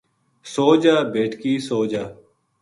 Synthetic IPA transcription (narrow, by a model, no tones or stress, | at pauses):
soːd͡ʒaːbeːʈʰkiːsoːd͡ʒaː